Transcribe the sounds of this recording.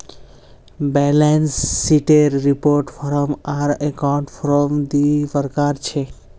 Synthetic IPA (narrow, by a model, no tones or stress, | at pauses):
bɛlensːiʈeɾːipoɾʈfʰɔɾɔmaɾekawɳʈfɔɾɔmd̪isəɾkaɾt͡ɕʰe